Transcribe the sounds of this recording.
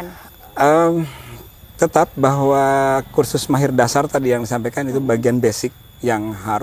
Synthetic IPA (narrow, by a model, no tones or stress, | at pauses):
ʔə | t̪ət̪ap̚baɦwakursʊsmaɦɪrdasart̪adijaŋdisampajkanit̪ubaɡianbɛsɪk̚ | jaŋɦaɾ